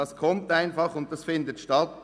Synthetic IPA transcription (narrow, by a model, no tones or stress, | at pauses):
ɑskʰɔmtaɪnfɑχʊnt̚d̥ɑsfɪndətʃtɑt